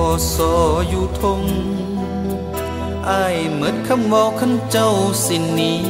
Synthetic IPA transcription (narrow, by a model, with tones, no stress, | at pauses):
sɔː˨˧˦juː˧˩t̪ʰo˧ŋ | ʔa˧˩j | mɯ˨˦˥n̚kʰa˧˥˨mwɔː˧wkʰa˧˥˨mt͡ɕa˧˥˨wsi˧˩nːiː˦